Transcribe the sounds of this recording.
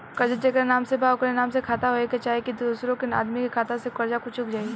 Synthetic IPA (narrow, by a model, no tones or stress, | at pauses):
kɐɾd͡ʒəd͡ʒekɾenaːmsebaːʊkɾenaːmsekʰaːt̪aɦoeket͡ʃaːɦekid̪uːsɾõkɪna̰ːd̪mikekʰaːt̪ãsekɐɾd͡ʒakʊt͡ʃʰʊkd͡ʒaːi